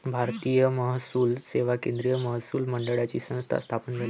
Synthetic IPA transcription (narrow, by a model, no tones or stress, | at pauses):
bʱaɾt̪iːjəməɦsuːlseʋakẽnd̪ɾijəməɦsuːlməɳɖəɽat͡ɕiːsə̃w̃st̪ʰa̰st̪ʰapəɳd͡zʱel